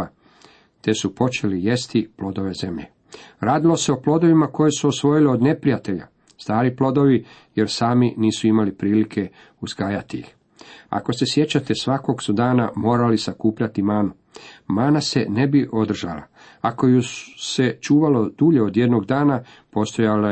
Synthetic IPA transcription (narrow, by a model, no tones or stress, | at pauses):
a | t̪e̞supo̞t͡ʃe̞lije̞st̪iplo̞d̪o̞ʋe̞ze̞mʎe̞̰ | ɾaːd̪ilo̞se̞o̞plo̞d̪o̞ʋimako̞je̞suo̞sʋo̞jileo̞d̪ne̞pɾijat̪e̞ʎa̰ | st̪aːɾiplo̞d̪o̞ʋi | je̞ɾsaːminiːsuimalipɾiːlikʰe̞ | uzɡaːjat̪iix | a̰ko̞se̞sje̞t͡ɕat̪e̞sʋako̞ɡsud̪aːnamo̞ːɾalisakuːpʎat̪imaːnu | maːnase̞̰ne̞biʔo̞d̪r̩ʒa̰la̰ | ako̞juse̞t͡ʃuːʋalo̞d̪̥uʎe̞od̪je̞d̪no̞ɡd̪aːna | po̞st̪o̞jale